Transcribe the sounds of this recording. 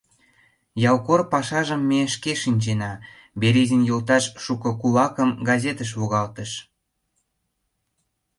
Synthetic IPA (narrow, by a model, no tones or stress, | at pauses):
jɑlkorpɑʃɑʒəmːeʃkeʃinʲt͡ɕenɑ | beɾezənjolt̪ɑʃʃukə̆kulɑkəmɡɑzʲet̪əʃ̬βoɣɑlt̪əʃ